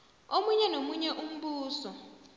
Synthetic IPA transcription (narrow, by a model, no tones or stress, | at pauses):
omuɲɛnomuɲɛʔum̩ɓuːsɔ